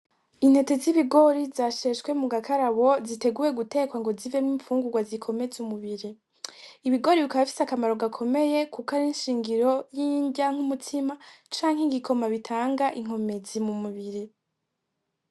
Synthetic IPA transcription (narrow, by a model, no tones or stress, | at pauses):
in̥he̞te̞ziβiɡo̞ɾizaʃe̞ʃɡwe̞muɡakʰaɾaβo̞zite̞ɡuje̞ɡute̞ːkwaŋɡo̞zivemiːɱfuːŋɡuɡwazikʰo̞me̞zumuβiɾi | iβiɡo̞ɾiβikaβafi̥sakamaɾo̞ɡakʰo̞me̞je̞kʰukaɾinʃiːŋɡiɾo̞jiːɲɟaŋ̥umutʰimat͡ʃaːŋheɡikʰo̞maβitʰaːŋɡaʔiŋ̥o̞me̞zimumuβiɾi